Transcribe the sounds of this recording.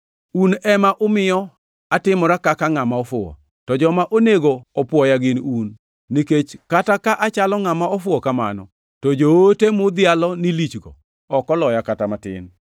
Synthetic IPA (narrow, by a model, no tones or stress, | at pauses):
unɛmaʔʊmɪjɔ | atɪmɔɾakakaŋamaɔfʊɔ̰ | tɔd͡ʒɔmaʔoneɡoɔpwɔjaɡɪnunː | iket͡ʃkatakaʔat͡ʃalɔŋamaɔfʊɔkama̰nɔ̰ | tɔd͡ʒootemʊd̪ɪalɔnilit͡ʃɡɔ̰ | ɔkɔlɔjakatamatɪ̰n